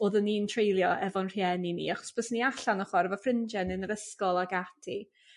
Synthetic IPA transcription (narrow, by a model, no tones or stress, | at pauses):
oːðənintʰrejlˠjɔʔɛvɔnr̥jɛninḭːaχɔ̥sb̥əsniaɬanɔχwɔɾəvɔfrɪnd͡ʒɛnɨnəɾəskɔlˠaɡatʰi